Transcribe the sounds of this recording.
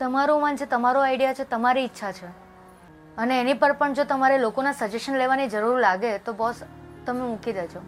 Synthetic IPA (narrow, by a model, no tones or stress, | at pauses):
t̪əmaɾũmand͡ʒet̪əmaɾoajɽijat͡ʃʰet̪əmaɾiːtːʃʰat͡ʃʰe | əneːnipəɾpəɳd͡ʒot̪əmaɾelokonasəd͡ʒeʃənleʋanid͡ʒəɾuɾlaɡet̪obɔst̪əmemũkid̪et͡ʃʰo